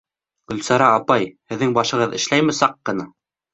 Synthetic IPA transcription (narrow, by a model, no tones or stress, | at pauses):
ɵ̆lsɑɾɑːpɑjhɘ̆ðːɘŋbɑʃɤ̆ʁɤðɘ̆ʃlæjmɘsɑqːɤ̆nɤ